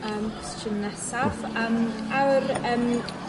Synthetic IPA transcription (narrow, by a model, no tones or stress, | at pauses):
əːmst͡ʃʰənːɛsafəːmawrəːm